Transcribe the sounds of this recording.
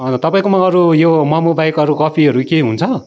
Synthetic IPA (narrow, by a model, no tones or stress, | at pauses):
ʌt̪ʌpaĩkomaʌɾujomʌmubajkʌɾukʌpʰiɦʌɾukeɦunt͡sʰʌ